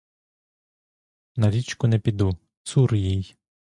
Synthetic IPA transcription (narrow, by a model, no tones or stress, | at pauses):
nɐɾʲit͡ʃkʊnɛpʲid̪u | suɾjij